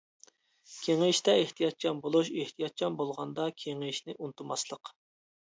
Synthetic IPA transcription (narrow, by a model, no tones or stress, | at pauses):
kʲʰeŋɪʃt̪ɛeht̪ʰijɑt̪̚t͡ʃʰɑnbolˠuʃeht̪ʰijɑt̪̚t͡ʃʰɑnbolˠʁɑnd̪ɑkʲʰeŋɪʃnɪʔunt̪ʰumɑslˠəq